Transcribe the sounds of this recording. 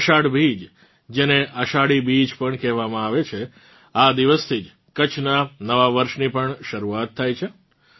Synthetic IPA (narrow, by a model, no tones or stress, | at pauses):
əʃaɽbʱid͡ʒ | d͡ʒeneʔəʃaɽibid͡ʒpəɳkɛɦʋamãaʋet͡ʃʰe | ad̪iʋəst̪ʰid͡ʒ | kət͡ʃʰnanəʋaʋəɾʃnipəɳʃəɾuat̪ʰːajt͡ʃʰe